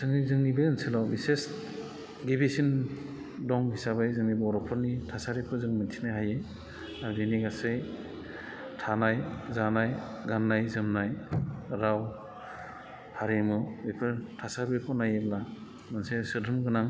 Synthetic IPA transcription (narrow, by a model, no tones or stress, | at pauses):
sɯŋnizɯŋnibɯɯnselawbises | ɡibisin | dɔŋhisabajzɯŋnibɯɔɾɔpʰɔɾnitʰasaɾepʰɯzɯŋmɯntʰinajɦaje | aɾdeniɡasej | tʰanajzanaj | ɡanːajzɯmnajɾaw | haɾemɯbepʰɯɾtʰasabepʰɔnajebla | mɯnsesɯdɯmɡɯnaŋ